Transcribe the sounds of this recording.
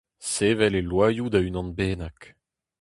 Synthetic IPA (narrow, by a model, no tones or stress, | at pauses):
seːvɛlelwaːjud̪aynɑ̃nbeːnak